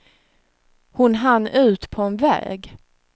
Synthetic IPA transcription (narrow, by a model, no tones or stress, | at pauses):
hʊnɦanːʉ̟ːt̪pʰɔɛnvɛ̰ːɡ